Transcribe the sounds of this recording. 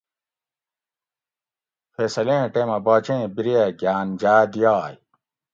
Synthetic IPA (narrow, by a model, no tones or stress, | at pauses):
feːsɐlẽːʈeːmɐbaːt͡ɕẽːbiɾieɡjaːnd͡ʑaːd̪ijaːj